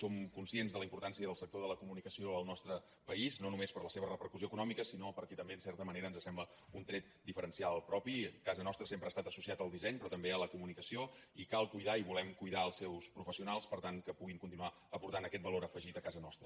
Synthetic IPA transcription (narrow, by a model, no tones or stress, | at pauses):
somkunsienzðələimpuɾt̪ansiəðəlˠsək̚t̪oðələkumunikəsioəlˠnɔst̪ɾə | pəiznonumespəɾləseβ̞ərəpəɾkuzioəkunɔmikəsinopəɾkɛt̪əmbeənsɛɾt̪əməneɾəːnzəsɛmblə | unt̪ɾɛt̪̚d̪ifəɾənsialˠpɾɔpikazənɔst̪ɾəsempɾəast̪at̪əsusiat̪əlˠd̪izɛɲpɾɔt̪əmbeələkumunikəsioikalˠkujðaiβulɛmkujðaəlˠsɛwspɾufəsiunalˠspəɾt̪aŋkəpuɣiŋkunt̪inua | əpuɾt̪anəkɛt̪̚bəloɾəfəʒit̪əkazənɔst̪ɾə